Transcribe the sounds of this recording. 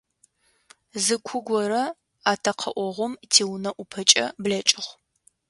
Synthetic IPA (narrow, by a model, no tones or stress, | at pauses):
zɨkʷʰʊɡʷɔɾɐ | aːtʰɐqʰɐʔʷɔʁʷʊmtʰiːwnɐʔʷʊpʰɐt͡ʃʼɐbɮɐt͡ʃʼɪχʷ